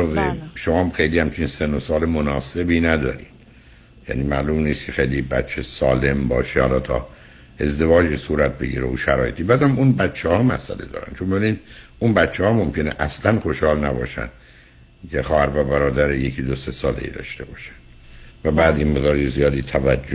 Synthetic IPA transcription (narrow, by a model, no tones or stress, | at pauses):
zeʃomɒːxejliːhæmt͡ʃʰinsenosɒːlemonɒːse̞biːnæd̪ɒ̰ːɾid̪̥ | jæ̰niːmæʔlumniːst̪cʰexejlibæ̰t̪t͡ʃʰːesɒːle̞mbɒːʃehɒlɒːt̪ʰɒ̰ː | e̞zd̪e̞vɒːd͡ʒiːsuːɾæt̪̚be̞ɡḭːɾḛuʃæɾɒːje̞t̪ʰibæːd̪hæmunbæt̪t͡ʃʰːehɒːmæ̰sæ̰lḛd̪ɒ̰ːɾæ̰nd̪t͡ʃʰombeiniːn | unbæt̪t͡ʃʰːehɒːmomcʰe̞neʔæslænxo̞ʃhɒːlnæbɒ̰ːʃæ̰nd̪ | cʰexɒːhæɾvæbæɾɒːd̪æɾejecʰid̪osesɒːlḛḭd̪ɒ̰ːʃt̪e̞bɒːʃæ̥nd̥̪ | væbæːd̪inmeɣd̪ɒːɾezijɒːd̪iːt̪ʰævæd͡ʒd͡ʒːo